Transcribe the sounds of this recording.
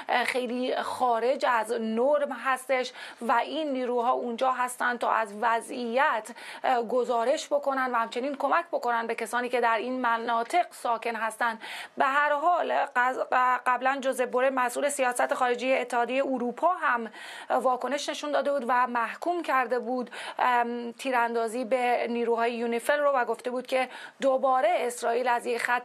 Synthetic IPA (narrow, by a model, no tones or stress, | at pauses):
xejliːxɒːɾe̞d͡ʒæznoɾmɦæst̪e̞ʃvæʔinːiːɾuːɦɒːund͡ʒɒːɦæst̪æn̚t̪ʰɒ̰ːʔæzvæzijæt̪ʰɡo̞zɒːɾe̞ʃbo̞ko̞nænd̪væhæmt͡ʃʰe̞niːnkʰo̞mæcʰbo̞ko̞nænbe̞cʰæsɒːniːce̞d̪æɾinmænɒːt̪ʰe̞ɢsɒːcʰe̞nɦæst̪ænd̪beɦæɾɦɒːl | ɢæblænd͡ʒoze̞boɾemæsʔuːlesijɒːsæt̪ʰexɒːɾe̞d͡ʒejeːt̪ʰːehɒːd̪jejeuɾuːpʰɒːɦæm | vɒːkʰo̞ne̞ʃne̞ʃund̪ɒːd̪e̞buːd̪væmæhkʰuːmcʰæɾd̪e̞buːd̪ | t̪ʰiːɾænd̪ɒːziːbeniːɾuːɦɒːjejunifelrovæɡo̞ft̪e̞buːd̪̚kʲʰe̞d̪obɒːɾe̞ːsɾɒːiːlæzje̞cxæt̪ː